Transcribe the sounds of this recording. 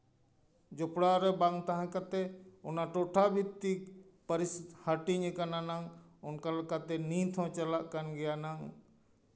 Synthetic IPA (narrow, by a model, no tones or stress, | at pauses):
d͡ʒopɽaɾɛbaŋt̪aɦãkat̪ɛʊnaʈoʈʰabʱit̪ikpəɾishaʈiɲəkananaŋ | ʊnkaləkat̪ɛnĩːt̪ʰɔ̃t͡ʃəlaʔkənɡɛjanaŋ